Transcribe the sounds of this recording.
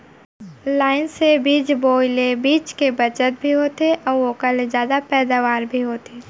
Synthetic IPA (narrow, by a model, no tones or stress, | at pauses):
laːɪnsebiːt͡ʃboːlebiːt͡ʃkebɐt͡ʃət̪̚bʱiɦoːt̪eʔɔːɾʋokalezjaːd̪apɛːd̪aːʋaːɾbʱiɦoːt̪eː